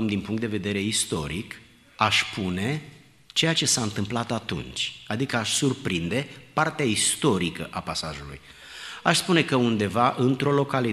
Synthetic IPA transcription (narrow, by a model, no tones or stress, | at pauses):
md̪inpuŋkt̪d̪eve̞d̪e̞ɾe̞ist̪o̞̰ɾik | aʃpʰune̞ | t͡ʃe̞jat͡ʃe̞saɨnt̪ɨmplat̪at̪ṵnt͡ʃʲad̪ikəaʃsurpɾind̪e̞part̪eaist̪o̞ɾikə̰ʔapasaʒulṵj | aʃspune̞kəund̪e̞vaʔɨnt̪ɾo̞lo̞kali